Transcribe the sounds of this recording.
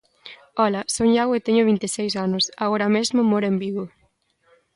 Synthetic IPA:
ɔlasoɲawet̪eɲʊβ̞int̪esejsanʊsaɣoɾɐmezmʊmoɾembiɣo

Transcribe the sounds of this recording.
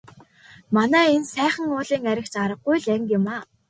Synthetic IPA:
manæːensæːχə̆ŋʊːɮiːŋæɾʲɪ̆kt͡ɕaɾə̆q̚ɡujɮæŋkɪ̆maː

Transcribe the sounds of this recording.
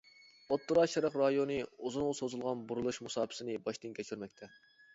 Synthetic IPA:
ot̪ːuɾɑʃɑɾəqɾɑjonɨozɨnŋsozulˠʁɑnbuɾulˠuʃmusɑːpʰɨ̥sɨnɨbɑʃt̪ɨnkʲʰɛt͡ʃʰyɾmɛkʲt̪ʰɛ

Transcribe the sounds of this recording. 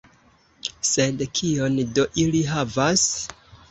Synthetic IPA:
se̞dkʰio̞ndo̞ʔiliɦavas

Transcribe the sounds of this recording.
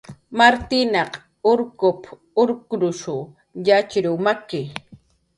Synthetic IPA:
maɾt̪ɪnɑq | ʊɾkʊp | ʊɾkʊɾʊʃʊ | jat͡ʃɾʊmakɪ

